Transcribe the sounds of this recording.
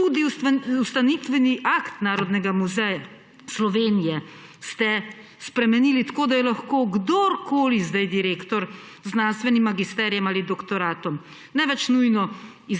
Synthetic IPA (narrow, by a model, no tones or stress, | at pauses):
tud̪iust̪anit̪ʋɛniʔakt̪naːɾɔd̪nɛɡamuzɛja | slɔʋeːnijɛ | st̪ɛ | spɾɛmɛniːlit̪ḁkoːd̪ajɛlaxkoːɡd̪oɾkoːlizd̪ajd̪iɾeːkt̪ɔɾzːnanst̪ʋɛnimːaɡist̪ɛːɾjɛmaːlid̪ɔkt̪ɔɾaːt̪ɔm | nɛʋɛt͡ʃnujnɔ | i